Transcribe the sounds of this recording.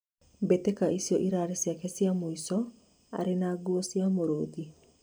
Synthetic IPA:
betekaʔisiɔʔiɾaɾesjakɛsjamoisɔ | a̰ɾenaːɡuɔsjamoɾoːði

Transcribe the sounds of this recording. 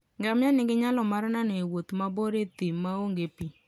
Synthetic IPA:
ŋɡamjanɪŋɡɪɲalɔmaɾnanewot̪maboɾet̪imːaoŋɡepi

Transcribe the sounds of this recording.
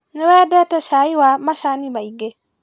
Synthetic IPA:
newɛdɛtɛʃaiwamaʃanibaiɡe

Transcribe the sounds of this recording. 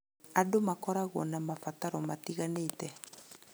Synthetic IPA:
adomakɔɾaɣɔnamafataɾɔmatiɣanetɛ

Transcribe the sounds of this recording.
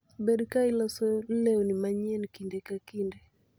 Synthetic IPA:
bɛɗkailasɔlɛɔnimaɲɛnkindɛkakindɛ

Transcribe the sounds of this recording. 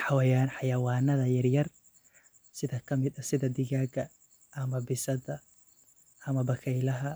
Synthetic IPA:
ħɑwɛjaːnħɑjɐwɑːnɐðɐjɐrjɐr | sɪðɐkʰɐmɪd̪ɐsɪðɐd̪ɪɣaːɡɐ | ʔɐmɐbɪsɐðɐ | ɐmɐbɐkʰɛjlɐɦɐ

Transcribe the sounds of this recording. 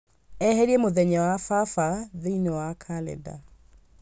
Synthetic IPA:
ɛheɾiemoðɛɲawafafaðeinɔwakʰalɛ̰da̰

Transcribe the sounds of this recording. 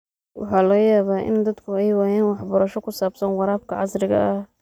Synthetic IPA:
wʔɑ̰ħɑːlɔːjaːβaːʔɪ̰nd̪ɐd̪kʰʊɛjwaːjaːnwɑħbɐɾɐʃɔkʰʊsaːbsɐnwɑɾaːb̚kʰɐʕɑsɾɪɣɐ̰ʔɐh

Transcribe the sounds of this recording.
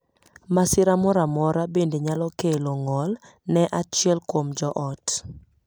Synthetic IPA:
masɪɾamɔɾamɔɾabendeɲalɔkeloŋɔl | nɛʔat͡ʃɪɛlkwomd͡ʒɔʔɔt

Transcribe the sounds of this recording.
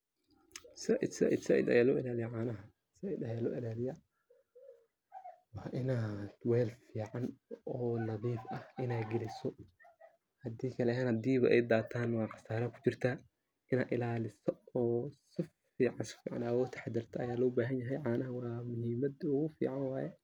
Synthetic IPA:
sɐʔɪ̰d̪sɐ̰ʔɪ̰d̪sɐʔɪ̰d̪ɐ̰jaːlɔ̰ːʔɪlaːlɪjɐʕaːnɐɦɐ | sɐʔid̪ɐjaːlɔ̰ːʔɪlaːlɪjɐ | wɑːʔɪnaːd̪̥wɛːlfiːʕɑnɔːnɐðiːfʔɐhʔɪnaːɡɛlɪsɔ | hɐd̪iːkʰɐlɛɦaːnɐd̪iːβɐʔɛjd̪aːt̪ʰaːnwɑːqɑ̥saːɾɐkʰʊ̥t͡ʃɪrt̪ʰa | ʔɪna̰ːʔ̪ɪlaːlɪsɔɔːsɪf | iːʕɑnsɪ̥fiːʕɑ̰nawɔːt̪ʰɐ̥ħɑd̪ɐrt̪ʰɐɐjaːlɔːbaːɦɐnjɐɦɛjʕaːnɐɦɐwɑːmʊhiːmɐd̪ʊɣʊfḭːʕɑnwɑːjɛ

